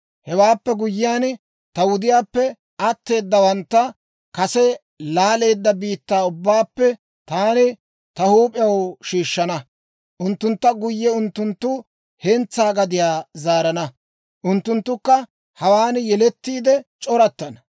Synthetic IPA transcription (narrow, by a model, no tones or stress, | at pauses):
hɛwaːpːɛɡʊjːɪjaːn | t̪ɐwʊd̪ɪjaːpːɛ | ɐt̪ːe̞ːd̪ːɐwɐnt̪ːɐ | kɐsɛ | laːle̞ːd̪ːɐbiːt̪ːaːʊbːaːpːɛ | t̪aːnɪ | t̪ɐhuːpʼɪjɐwʃiːʃːɐnɐ | ʔʊnt̪ːʊnt̪ːɐɡʊjːɛʊnt̪ːʊnt̪ːʊ | hɛnt͡sːaːɡɐd̪ɪjaːzaːɾɐnɐ | ʔʊnt̪ːʊnt̪ːʊkːɐ | hɐwaːnjɛlɛt̪ːiːd̪ɛt͡ʃʼɔɾɐt̪ːɐnɐ